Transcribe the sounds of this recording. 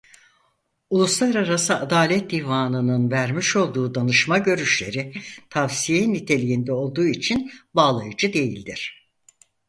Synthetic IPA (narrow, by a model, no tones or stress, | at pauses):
ulˠuslˠaɾaɾasɯad̪aːlʲɛt̪̚d̪ivaːnɯnɯnvæɾmiʃo̞lˠd̪uːd̪anɯʃmaɟø̞ɾyʃlʲe̞̰ɾit̪ʰavsijenit̪ʰe̞lʲijind̪ɛo̞lˠd̪uːit͡ʃʰinbaːlˠajɯd͡ʒɯd̪e̞jḭlʲd̪iɾ̥